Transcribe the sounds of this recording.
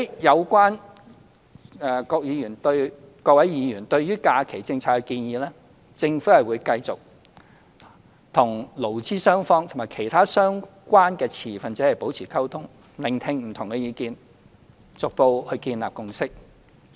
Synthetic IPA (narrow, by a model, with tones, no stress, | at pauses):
hɐ˨˥jjɐ˨˧wkʷaː˥n | ɛː˧kɔː˧k̚jiː˨˧jyː˨˩nt̪ɵ˧ɥ | kɔː˧kwɐ˨˥jiː˨˧jyː˨˩nt̪ɵ˧ɥjyː˥kaː˧kʰe˨˩jt͡sɪ˧ŋt͡sʰaː˧tkːɛ˧kiː˧njiː˨˧lɛː˥ | t͡sɪ˧ŋfu˨˥hɐ˨jwuː˨˧jkɐ˧jt͡sʊ˨k̚ | t̪ʰʊ˨˩ŋlo˨˩wt͡siː˥sœː˥ŋfɔː˥ŋt̪ʰʊ˨ŋmaː˨jkʰe˨˩jt̪ʰaː˥sœː˥ŋ | kʷwaː˥nkɛː˧t͡sʰiː˨˩fɐ˨nt͡sɛ˨˥hɐ˨jpo˨˥wt͡sʰiː˨˩kʰɐ˥wt̪ʰʊ˥ŋ | lɪ˨˩ŋt̪ʰɪ˧ŋm̩˨˩t̪ʰʊ˨˩ŋkɛ˧jiː˨˧kiː˧n | t͡sʊ˨k̚po˧whɵ˧kiː˧nla̰ː˨p̚kʊ˧ŋsɪ˥k̚